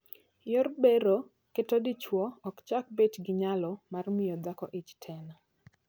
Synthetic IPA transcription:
jɔrbeɾo | ketɔdɪt͡ʃwɔɔkt͡ʃak̚bet͡ʃɡɪɲalɔmarmɪjɔd̪akɔʔɪt͡ʃtʰɛna

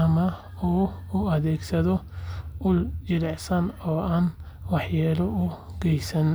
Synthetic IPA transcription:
ɐmɐ | uːʊɐðɛːɡsɐðɔʊjɪɾɛʕsɐnɔːʔaːn | wɑħjaːlɔʊɡɛjsɐn

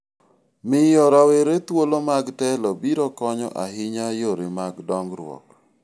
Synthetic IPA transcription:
mɪjɔɾaweɾet̪wolomaɡtɛlɔbiɾɔkɔɲɔ̰ʔaɦɪɲajoɾɪmaɡdɔŋɡɾwɔ̰k

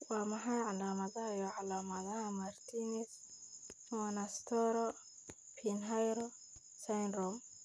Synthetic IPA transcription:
wamaɦajʕalamaðajoʕalamazahamaɾt̪inis | manast̪ɔɾo | pʰinɦajɾo | sanɾom

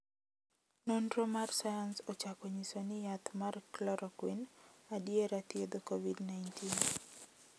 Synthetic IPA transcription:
nondɾomarsajansɔt͡ʃakɔɲisonɪjat̪marklɔɾʔɔkwinadjeɾat̪jed̪okovidnajntin

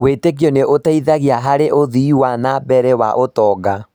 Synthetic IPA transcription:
wetek̬iɔneʔotaiðaɣiaɦaɾeʔoðiːwanabɛɾɛwa̰ʔotɔːɡa

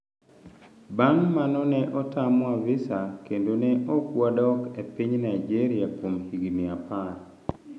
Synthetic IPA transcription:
baŋmanɔnɛʔɔtamwavɪsakendonɛʔokwadɔkepiɲnaid͡ʒeɾiakwomhiɡimiapar

